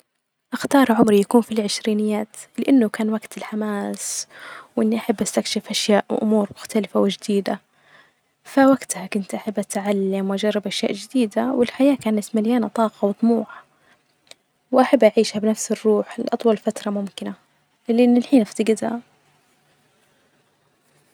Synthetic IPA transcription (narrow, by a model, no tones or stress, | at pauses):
ʔaxt̪ɑːɾˤʕʊmɾijakuːnfilʕɪʃɾiːnɪjːaːt̪lɪʔanːʊkaːnwaɡt̪ɪlħamaːswʔɪnːiʔaħabːʔast̪akʃɪfʔaʃjaːʔwʔʊ̰muːɾmʊxt̪alɪfawɪd͡ʒd̪iːd̪a | fawaɡt̪hakʊnt̪ʔaħabːʔat̪ʕalːamwʔad͡ʒɑrˤːɑbʔaʃja̰ːʔd͡ʒɪd̪iːd̪awɪlħajaːkaːnat̪maljaːnat̪ˤɑːqɑwɨt̪ˤmuːħa | wʔaħabːʔaʕiːʃhabɪnafsɪrːuːħɪlʔɑt̪ˤwɑlfat̪ɾˤɑmʊmkɪna | lɪʔɪnːɪlħiːnʔaft̪aɡɪd̪ha